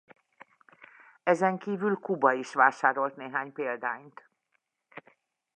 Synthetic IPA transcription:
ɛzɛŋkiːvylkubɒiʃʋaːʃaːɾo̞lt̪neːɦaːɲpeːld̪aːɲt̪

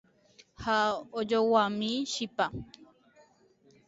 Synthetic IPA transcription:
haod͡ʒowamĩʃipa

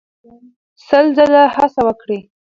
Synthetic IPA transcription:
səlzəlahasawəkɽi

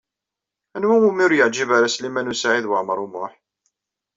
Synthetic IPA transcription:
ænwæwumiɾjəʕd͡ʒibaɾaslimænusaʕiðwəʕməɾˤʊmʊ̰ħ

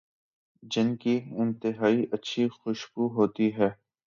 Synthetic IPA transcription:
d͡ʒɪnkiɪ̃nt̪ɪɦaːiʔɐtːʃʰixʊʃbuɦoːt̪iɦɛː

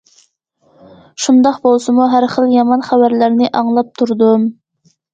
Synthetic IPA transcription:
ʃund̪ɑqbolˠsɨmuɦæɾχəlˠjɑmɑnχæbæɾlæɾnɪʔɑŋlˠɑp̚t̪ʰuɾd̪um

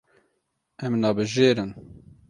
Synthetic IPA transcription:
ɛmnɑːbɨʒeːɾɨn

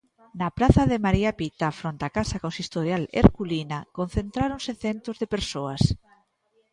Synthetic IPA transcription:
napɾaθaðemaɾiapit̪afɾont̪akasakõnsist̪oɾjalḛɾkulinakon̟θent̪ɾaɾonseθent̪ɾozðepeɾsoas

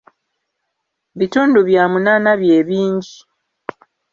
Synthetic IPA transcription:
βituːnduβjaːmunaːnaβjeːβiːɲɟi

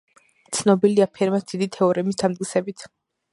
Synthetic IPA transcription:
t̪sʰnɔbiliapʰɛɾmat̪d̪̥id̪it̪ʰɛɔɾɛmisd̪amt̪̚ʼkʼisɛbit̪ʰ

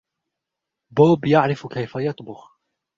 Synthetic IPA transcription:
boːbjaʕɾɪfkajfajɑt̪ˤbʊx

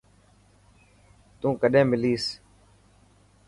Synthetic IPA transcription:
t̪ũːkəɗẽːmɪliːs

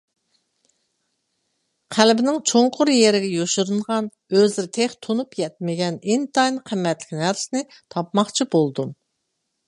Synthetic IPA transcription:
qʰælbɪnɪŋt͡ʃʰoŋqʰʊɾjeɾɪɡʲɛjoʃuɾɨɴʁɑn | øzɪɾt̪ʰeχt̪ʰonupjɛt̪̚mɪɡʲɛnint̪ʰɑjnqʰəmːɛt̪lɪ̥kʲnæɾsɪnɪ | t̪ʰɑpmɑχt͡ʃʰibolˠd̪um

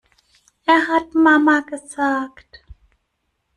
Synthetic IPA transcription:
ʔeːɐɦatmamaɡəzaːkt

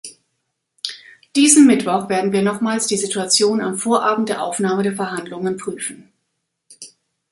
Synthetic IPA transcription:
d̥iːzəmmɪtv̥ɔχv̥eːɐdn̩viːɐnɔχmaːlsd̥iːzituat͡sjoːna̰mfoːɐʔaːbm̩t̚d̥eːɐʔa̰ʊfnaːmədeːɐfɛɐɦandlʊŋənpʁ̥yːfn̩

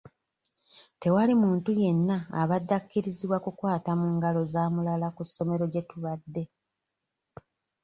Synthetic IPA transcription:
te̞walimuːntuje̞nːa̰ːβadːakːiɾiziβwakukwaːtamuːŋɡalo̞zaːmulalakusːo̞me̞ɾo̞ɟe̞tuβadːe̞

